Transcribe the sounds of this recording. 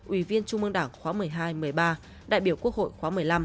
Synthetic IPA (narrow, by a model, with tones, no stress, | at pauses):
ʔwi˧˩vi˧ənt͡ɕʊ˧ŋ͡mʔɨ˧əŋɗaː˧˩ŋxwaː˨˦mɨ˨˩əjɦaː˧jmɨ˨˩əjɓaː˧ | ɗa̰ː˧˨jɓi˧˩əwku˦˥ək̚ho̰˧˨jxwaː˨˦mɨ˨˩əjla˧m